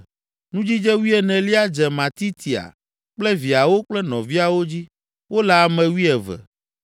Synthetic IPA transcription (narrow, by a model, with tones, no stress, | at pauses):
nũ˦d͡ʑi˦d͡ʒɛ˦wi˦ɛ˨nɛ̃˨li˦a˦d͡ʒɛ˨mã˨t̪i˦t̪ʰi˨a̰˨ | k͡plɛ˦vi˨a˨wo˦k͡plɛ˦nɔ̰̃˨vi˦a˨wo˦d͡ʑi˦ | wo˦la˨a˨mɛ̃˨wi˦ɛ˨vɛ̰˨